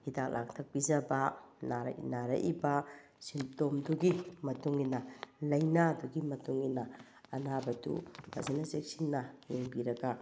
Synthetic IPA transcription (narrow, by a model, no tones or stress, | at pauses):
hidaklʔak̚tʰɐk̚pid͡ʒɐbɐnaɾ̰naɾɐ̰ʔibɐ | sintomduɡimɐtuŋinɐlɐjnaduɡimɐtuŋinɐ | ɐnabɐdṵmɐ̰zinɐzek̚sinːɐjeŋbiɾɐɡa